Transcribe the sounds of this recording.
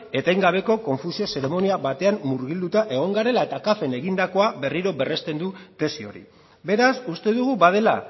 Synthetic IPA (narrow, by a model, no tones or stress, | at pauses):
e̞t̪ajŋɡaβ̞e̞ko̞ko̞ɱfusio̞se̞ɾe̞mo̞niaβat̪e̞amːuɾɣild̪ut̪aʔe̞ɣ̞o̞ŋɡaɾe̞lae̞t̪akafe̞ne̞ɣind̪ako̞aβe̞riɾo̞be̞re̞st̪e̞nd̪ut̪e̞sio̞ɾḭ | be̞ɾasust̪e̞ðuɣ̞ubað̞e̞la̰